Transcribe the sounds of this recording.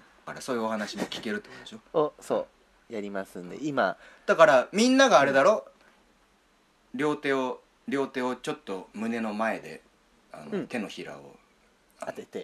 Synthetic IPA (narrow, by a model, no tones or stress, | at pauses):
aɾaso̞ːjɯ̟ohanaɕimo̞kʲi̥ke̞ɾɯt̪ːekod̪eɕo̞oso̞̰ː | jaɾʲimasɨ̃nd̪e̞̰ima | d̪̥akaɾamʲĩnːaɡaːɾe̞d̪aɾo̞ː | ɾʲo̞ːt̪e̞ːo | ɾʲo̞ːt̪e̞ːo̞t͡ɕo̞t̪ːo̞mɯ̟ne̞no̞mae̞d̪e̞̰ | a̰not̪e̞no̞çiɾa̰o̰ | aat̪e̞t̪e